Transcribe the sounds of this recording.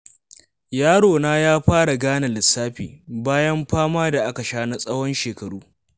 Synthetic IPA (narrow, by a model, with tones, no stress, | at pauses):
jaː˦ɽoː˨naː˦jaː˦ɸaː˦ɽa˨ɡaː˦na˨lɪ˨sːaː˦ɸḭː˨baː˦jɐ˦mɸaː˦maː˦da˨ʔa˦ka˨ʃaː˦na˦sʼɐ˦wɔ˦nʃeː˨kɐ˨ɽuː˦